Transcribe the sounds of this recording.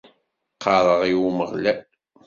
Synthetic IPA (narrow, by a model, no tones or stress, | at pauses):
qʰːɑɾˤəʁiwuməʁlæ